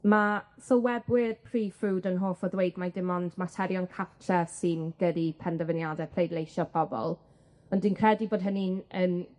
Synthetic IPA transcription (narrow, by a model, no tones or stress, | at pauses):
masɔwɛbwɪd̥pʰriːfuːdənɦoːfɔðwejdmajdɪmɔndmatʰɛɾjɔnkʰatʰɛsɨnɡ̥ədipʰɛndəvənjadɛpʰrejdlˠejʃɔpʰɔbɔ̰lˠ | ɔndinkʰrɛdiboːd̚ɦəninən